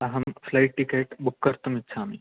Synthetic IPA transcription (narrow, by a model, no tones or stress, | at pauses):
ɐɦɐmflaiʈ̚ːikeʈbukːəɾt̪əmit̪ːsʰaːmi